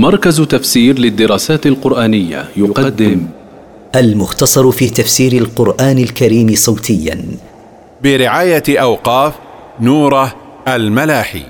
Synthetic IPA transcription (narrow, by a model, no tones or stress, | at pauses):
mɑɾˤkazt̪afsiːɾlɪd̪ːɪɾɑːsaːt̪alqʊɾʔaːnɪjːa̰jʊqɑd̪ːɪm | ʔalmʊxt̪ɑsˤɑɾˤfiːt̪afsiːɾalqʊɾʔaːnalkaɾiːmɪsˤɑwt̪ʰɪjːa̰n | bɪɾɪʕaːjaʔawqɑːf | nuːɾˤɑ | ʔalmalaːħḭː